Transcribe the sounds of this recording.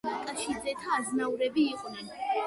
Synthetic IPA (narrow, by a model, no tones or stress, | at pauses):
nikʼaʃid̪ɛt̪ʰaːznauɾɛbiːqʼnɛn